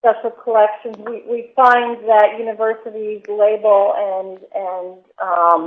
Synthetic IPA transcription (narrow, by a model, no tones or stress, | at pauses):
spɛʃl̩ˠkʰəlɛkʃɨ̃nzwiwifãɪ̃nðɨʔjʉnɨvɜ˞sɨɾizleɪbl̩ˠɨ̃nɨ̃n | ʌ̃